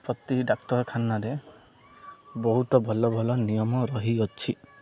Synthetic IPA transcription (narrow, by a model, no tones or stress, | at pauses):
pɾɔt̪iɖak̚ʈɔɾkʰanːaɾe | bɔɦut̪ɔbʱɔlɔbʱɔlɔnijɔmɔɾɔɦiɔt͡ʃʰi